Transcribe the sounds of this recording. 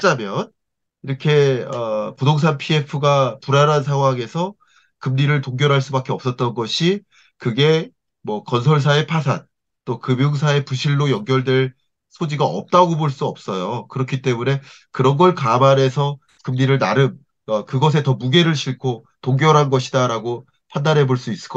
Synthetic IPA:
t͡ɕ͈amjʌn | iɾʌkʰe̞ʌpudoŋs̬ʰanpʰie̞pʰɯɡapuɾaɾans̬ʰaŋɦwaŋe̞sʰʌ | kɯmɲiɾɯɭtoŋɡjʌɾɦaɭs͈ubak͈e̞ʌps͈ʌt̚t͈ʌnɡʌɕʰi | kɯɡe̞ | mwʌkʌnsʰʌɭs̬ʰae̞pʰas̬ʰan | t͈okɯmjoŋs̬ʰae̞puɕʰiɭːojʌŋɡjʌɭdwe̞ɭ | sʰod͡ʑiɡaʌ̰p̚t͈aɡoboɭs͈uʌp̚s͈ʌjokɯɾʌkʰit͈e̞mune̞ | kɯɾʌnɡʌɭkamane̞sʰʌ | kɯmɲiɾɯɭnaɾɯm | akɯɡʌs̬ʰe̞tʌmuɡe̞ɾɯɭɕʰiɭkʰo | toŋɡjʌɾɦanɡʌɕʰidaɾaɡo | pʰandaɾɦe̞boɭs͈uis͈ɯ̥k͈ʌ

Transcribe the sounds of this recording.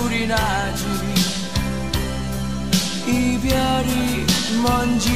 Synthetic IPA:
uɾina | d͡ʒiɾi | ibjaɾi | mɔnd͡ʒi

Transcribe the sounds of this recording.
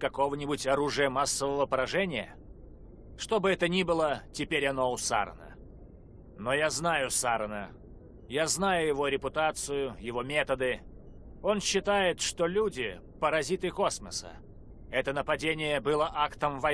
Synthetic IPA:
kɐko̞vənʲɪbʊtʲɐɾuʐɨjəmasːəvəvəpəɾɐʐɛnʲɪjə̰ | ʂt̪o̞bɨɛt̪ənʲibɨlˠətʲɪpʲeɾʲɐno̞ʊsa̰ɾə̰nə̰ | nojaznajʊsaɾənə̰ | jaznajʊjɪvo̞ɾʲɪpʊt̪at̪sɨjʊjɪvomʲet̪əd̪ɨ | o̞nɕːɪt̪ajɪt̪ʂt̪olʲudʲɪ | pəɾɐzʲit̪ɨko̞sməsə̰ | ɛt̪ənəpɐdʲenʲɪjəbɨlˠəʔakt̪əmvɐ

